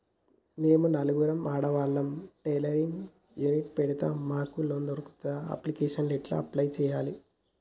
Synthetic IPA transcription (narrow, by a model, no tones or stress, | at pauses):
neːmunɐluɡuɾɐmaːɽɐʋaːlːɐmʈeːlɐɾiŋ | juniʈ̚pɛɽit̪aːmːaːkunoːnd̪oɾuku̥t̪aɐ̰plikeːʂɐnliʈlɐ̰ɐplɐjt͡ʃɛːjaːli